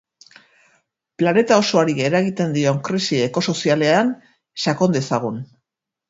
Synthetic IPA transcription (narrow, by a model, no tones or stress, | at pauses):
plane̞t̪ao̞so̞aɾie̞ɾaɣit̪e̞nd̪io̞ŋkɾisie̞ko̞so̞siale̞an | sako̞nd̪e̞saɣ̞un